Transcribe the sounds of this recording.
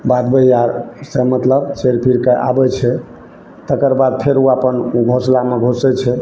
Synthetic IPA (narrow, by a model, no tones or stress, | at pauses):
bad̪bəjaɾsemət̪ləbseɾpʰiɾkaʔa̰bɛt͡ʃʰɛ | t̪əkəɾbad̪̚pʰeɾuapənɡʱoslameɡʱosɛt͡ʃʰɛ